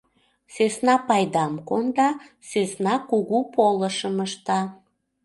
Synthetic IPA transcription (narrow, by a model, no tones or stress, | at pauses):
søsnɑpɑjd̪ɑmkond̪ɑ | søsnɑkuɣupoləʃəməʃt̪ɑ